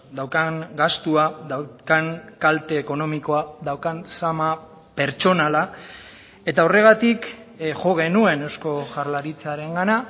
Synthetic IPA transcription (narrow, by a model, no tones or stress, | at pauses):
d̪awkaŋɡast̪uaðawkaŋkalt̪e̞ːko̞no̞miko̞aðawkansama | pe̞ɾt͡ʃo̞nala | e̞t̪ao̞re̞ɣ̞at̪ik | xo̞ɣ̞e̞nue̞ne̞wsko̞ʝaɾlaɾit͡saɾe̞ŋɡana